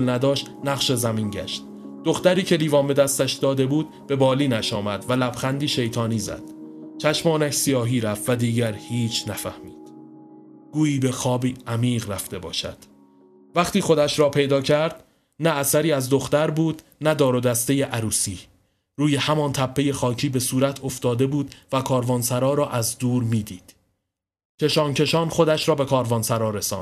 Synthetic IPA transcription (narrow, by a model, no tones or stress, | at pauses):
lnæd̪ɒːʃt̪næʁʃe̞zæmiːnɟæ̰ʃt̪̚ | d̪̥o̞xt̪æɾiːcʰe̞liːvɒːnbe̞d̪æst̪æʃd̪ɒːd̪e̞buːd̪̥̚b̥e̞bɒːliːnæʃɒːmæd̪vælæb̥χænd̪iːʃe̞jt̪ʰɒːniːzæ̰d̪̥t͡ʃʰæʃmɒːnæʃsijɒːɦiːɾæfvæd̪iːɟæɾhiːt͡ʃʰnæfæhmiːd̪̥ | ɡ̥uːiːbe̞xɒːbiːæmiːʁɾæft̪e̞bɒ̰ːʃæ̰d̪̥ | væχt̪iːxo̞d̪æʃɾɒːpʰe̞jd̪ɒːcʰæɾd̪ | næːsæɾiːæzd̪o̞xt̪æɾbuːd̪ | næd̪ɒːɾod̪æst̪e̞jeʔæɾuːsiː | ɾuːje̞hæmɒnt̪ʰæpʰːe̞je̞xɒːcʰiːbe̞suːɾæt̪ʰo̞ft̪ɒːd̪e̞buːd̪̥vækʰɒːɾvɒːnsæɾɒːɾɒːʔæzd̪uːɾmiːd̪iːd̪̥ | cʰe̞ʃɒːncʰe̞ʃɒːnχo̞d̪æʃɾɒːbe̞kʰɒːɾvɒːnsæɾɒːɾe̞sɒ̰ːnd̥̪